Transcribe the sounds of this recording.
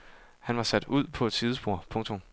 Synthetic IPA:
hænʋɑ̈sæd̥uð̞̰ˠpʰɒ̽ed̥sʰiðˠəsb̥o̝ɐ̰pʰɔ̽ŋt͡sʰo̽m

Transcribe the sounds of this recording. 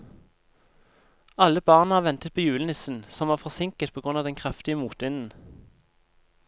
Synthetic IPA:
ɑləbɑːʁnəhɑːʁʋɛnt̪ət̪̚pʰoːjʉːlənɪsn̩sɔmʋɑːʁfɔʁsɪŋkət̪pʰoːɡʁʉnɑːʋd̪ɛnkʰʁɑft̪ɪəmuːt̪ʋɪnn̩

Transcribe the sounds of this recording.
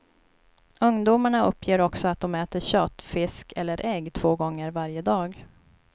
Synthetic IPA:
ɵŋd̪uːmaɳaɵpːjeːɾɔksɔat̪̚d̪ɔmɛːt̪əɕøːt̪fɪskʰɛlːəɾʔɛɡt̪ʰv̥oːɡɔŋːəɾvaɾjəd̪ɑːɡ

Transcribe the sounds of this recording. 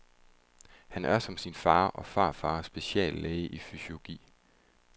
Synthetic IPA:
hænæɐsɒ̽msinfɑ̈ːʔɒ̽fɑ̈ːfɑ̈ːsb̥e̝ɕɛ̰ːlːeːɪəʔifyso̝lo̝ɡ̥ḭː

